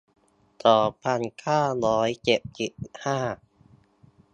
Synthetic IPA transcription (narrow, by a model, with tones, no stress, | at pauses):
t̪ɔː˨˩pʰːa˧nkʰaː˥˩ɾɔː˦˥jt͡ɕe˨˩p̚t͡ɕe˨˩p̚haː˥˩